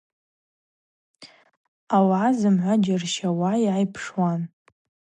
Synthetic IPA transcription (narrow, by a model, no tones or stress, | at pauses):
awaazɨmʕʷad͡ʒarʃawajajpʰʂwan